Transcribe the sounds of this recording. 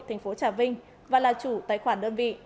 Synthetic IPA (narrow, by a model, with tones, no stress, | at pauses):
t̪ʰa˨˩ŋ̟fo˨˦t͡ɕaː˧˩vï˧ŋ̟ | vaː˨˩laː˨˩t͡ɕu˧˩t̪aː˨˧˥jxwaː˧˩nɗəː˧nvḭ˧˨